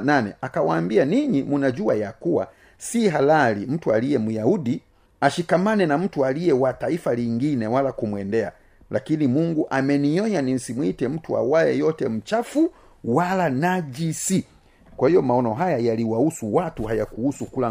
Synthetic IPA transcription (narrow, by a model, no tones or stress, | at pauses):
nanɛakawaːmbianiɲimunad͡ʒuajakuwa̰ | siɦalalim̩tualijɛmujaudi | aʃikamanɛnam̩tualijɛwataifaliŋɡinɛwalakumwɛndɛa̰ | lʔakinimuŋɡuʔamɛniɲɔɲanim̩simwitɛm̩tua̰wajɛjɔtɛm̩t͡ʃafu | walanad͡ʒisi | kwahijɔmaɔnɔɦajajaliwausuwatuhajakuhusukula